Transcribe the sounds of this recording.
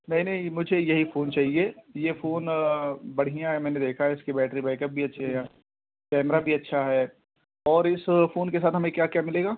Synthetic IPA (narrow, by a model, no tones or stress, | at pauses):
nɐɦĩnɐɦĩmʊd͡ʒʱejɐɦifoːnt͡ʃaːɦieːjefoːnbɐɽ̤ijãɦɛmɛ̃ːned̪eːkʰaɦɛɪskebɛːʈɾibɛːkɐp̚bʱiɐtːʃʰeɦɛaː | kɛːmɾabʱiɐtːʃʰaɦɛː | ɔːɾɪsfoːnkes̬aːt̪ɦɐmẽkjaːkjaːmɪleːɡaː